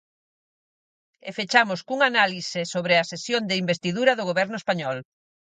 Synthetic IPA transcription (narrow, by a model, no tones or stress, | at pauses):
ḛfet͡ʃamʊskuŋanalisɪsoβɾɪɐsesjond̪ɪimbest̪iðuɾɐðʊɣ̞oβɛɾnʊespaɲɔl